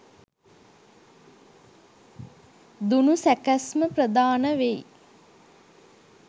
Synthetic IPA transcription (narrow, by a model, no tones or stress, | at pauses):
d̪unusækæsməprəd̪aːnəʋej